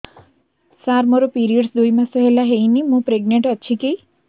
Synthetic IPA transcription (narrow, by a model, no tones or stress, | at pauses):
saɾmɔɾopiɾiəɖsd̪ujmãsəɦelaɦejnimũpɾeɡ̚nẽɳʈətːʃʰikej